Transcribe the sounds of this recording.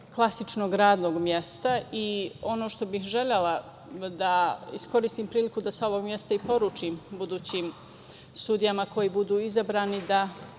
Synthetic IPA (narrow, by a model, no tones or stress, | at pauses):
klˠasit͡ʃnoɡɾaːd̪noːɡmjest̪aio̞noʃt̪o̞bixʒe̞ʎela | d̪aḭsko̞ɾist̪iːmpɾiːlikud̪asao̞ʋo̞ɡmje̞st̪aipo̞ɾuːt͡ʃimbud̪uːt͡ɕim | st̪ud̪ijamako̞jiːbud̪uːizabɾaːnid̪a